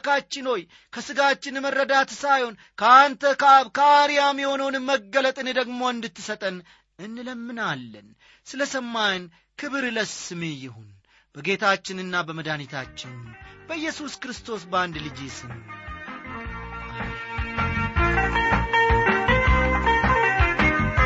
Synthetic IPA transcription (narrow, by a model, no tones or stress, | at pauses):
kat͡ʃːɪnho̞j | kʰəsɨɡat͡ʃːɪnmərːəd̪at̪sajho̞n | kʰəant̪ʰəkβkʰəaɾijamiho̞nəwnɨməɡːələt̪ʼɨned̪əɡmo̞ɨnd̪ɨt̪ːɨsət̪ʼən | ɨnːɨləmːɨnalːən | sɨləsəmːajn | kʰɨβɨɾləsɨmejɪhun | b̥əɡe̞t̪ʰat͡ʃːɪnɨnːabəməd̪anit̪ʰat͡ʃːɪnb̥əjːɛsuskɾɨst̪ʰo̞sband̪lɨd͡ʒesɨn